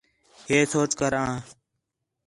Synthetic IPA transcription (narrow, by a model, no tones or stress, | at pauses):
heːsoːt͡ʃkəɾãː